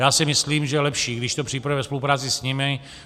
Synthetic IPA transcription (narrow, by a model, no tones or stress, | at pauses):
jaːsɪmɪsliːmʒɛlɛpʃiːɡdɪʃt̪opr̥iːpaɾɛvɛspolupɾaːt͡sɪsɲɪmɪ